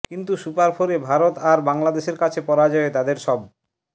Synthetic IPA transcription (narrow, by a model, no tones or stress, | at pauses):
kint̪uʃupaɾfʰoɾebʱaɾot̪aɾbaŋlad̪eʃeɾkat͡ɕʰepɔɾad͡ʑɔet̪ad̪eɾʃɔb